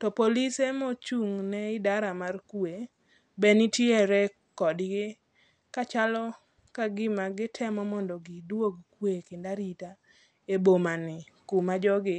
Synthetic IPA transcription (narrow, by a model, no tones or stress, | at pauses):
tɔpolisemɔt͡ʃuŋnɛɪdaɾamarkwe | bɛnɪtjeɾɛ | kɔdɡɪ | kat͡ʃalɔ | kaɡɪmaɡɪtʰɛmɔmɔndɔɡɪdwoɡkwekɪndaɾita | ebomanɪ | kumad͡ʒɔɡɪ